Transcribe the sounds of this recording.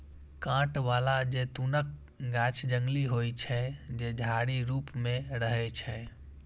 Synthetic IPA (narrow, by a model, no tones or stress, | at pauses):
kãːʈʋaːlad͡ʒet̪unək̚ | ɡaːt͡ʃʰd͡ʒə̃ŋɡliɦoit͡ʃʰɛd͡ʒed͡ʒʱaːɽiɾuːpmẽɾəɦɛt͡ʃʰɛ